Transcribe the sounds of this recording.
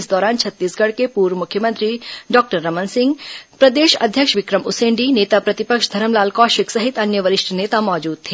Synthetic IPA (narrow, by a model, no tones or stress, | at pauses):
ɪsd̪ɔːɾaːnt͡ʃʰɐt̪ːiːsɡɐɽkepuːɾʋəmʊkʰjəmə̃nt̪ɾiɖɔːk̚ʈəɾːɐmənsɪ̃ŋɡpɾɐd̪eːʃɐ̰d̪ʱjəkʃʋɪkɾəmʊsẽːɳɖineːt̪apɾɐt̪ɪpəkʃd̪ʱɐɾəmlaːlkɔːʃɪksɐɦɪt̪ɐnjəʋəɾɪʃʈʰneːt̪amɔːd͡ʒuːd̪̚t̪ʰeː